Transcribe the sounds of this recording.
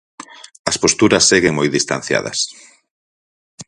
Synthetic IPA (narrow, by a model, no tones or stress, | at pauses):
ɐspost̪uɾɐsːeɣeŋmojðist̪an̟θja̰ðɐ̰s